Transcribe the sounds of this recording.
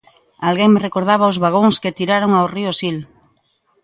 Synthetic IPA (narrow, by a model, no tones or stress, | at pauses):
alɣeŋmerekoɾð̞aβ̞aozβaɣ̞oŋsket̪iɾaɾoŋaoriosil